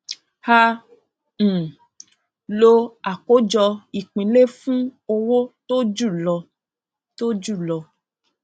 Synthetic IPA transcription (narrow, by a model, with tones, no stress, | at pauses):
ha˧˨ | lo˧a˨ko˦d͡ʒɔ˧i˨k͡pĩ˨le˦fũ˦o˧wo˦to˦d͡ʒu˦˨lɔ˧ | to˦d͡ʒu˦˨lɔ˧